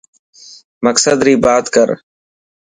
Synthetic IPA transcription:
məksəd̪ɾiːbaːt̪kəɾ

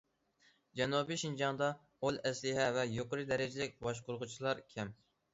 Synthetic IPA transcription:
d͡ʒɛnubiʃind͡ʒɑŋd̪ɑ | olˠɛslɪɦɛvɛjoqəɾɨd̪ɛɾɪd͡ʒɪlɪk̚ʲbɑʃ̬qʊɾʁʊt͡ʃʰilˠɑɾkʲʰɛm

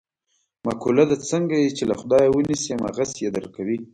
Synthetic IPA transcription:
makʰulad̪at͡səŋɡajit͡ʃelaxʊd̪ɑjawənisema̰ɣasjed̪əɾkawi

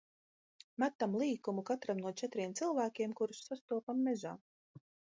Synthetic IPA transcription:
mat̪ːamlˠiːkumukat̪ɾamnuɔt͡ʃɛt̪ɾiɛmt̪silˠvæːkʲeɛmkuɾusːast̪uɔpamːɛza̰ː

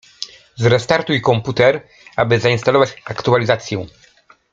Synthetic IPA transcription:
zɾɛst̪aɾt̪ujikɔmput̪ɛɾ | abɘzaĩnst̪alɔvat͡ɕakt̪ualʲizat̪sʲjɛ̃

